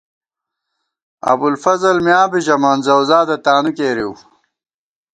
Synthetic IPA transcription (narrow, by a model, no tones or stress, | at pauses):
ɐ̰bulfɐzɐlmjaːbiʑɐmaːnzɐwzaːd̪ɐt̪aːnukeːɾiw